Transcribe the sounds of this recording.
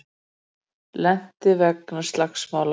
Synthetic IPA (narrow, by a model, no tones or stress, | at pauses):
lɛn̥t̪ɪvɛk̚nst̪laxsmaːwla